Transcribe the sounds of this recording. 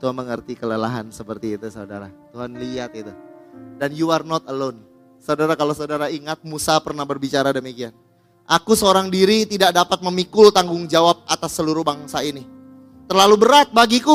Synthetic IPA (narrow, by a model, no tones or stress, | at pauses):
t̪uanməŋərt̪ikələlaɦansəpərt̪iːt̪usauda̰ɾa̰t̪uɦanliat̪̚it̪udanjuarnɔt̪əlon | saudaɾakalosaudaɾaiŋat̪̚musapərnahbərbit͡ʃaɾadəmikian | ʔakusəoɾaŋdiɾit̪idak̚dapat̪̚məmikʊlt̪aŋɡʊŋd͡ʒawap̚at̪asːəluɾʊhbaŋsaini | t̪ərlalubəɾat̪̚baɡiku